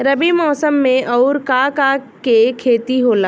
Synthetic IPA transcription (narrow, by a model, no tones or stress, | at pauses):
ɾɐbimɔːsəmːẽʔɔʊɾkakakekʰeːt̪iɦoːlaː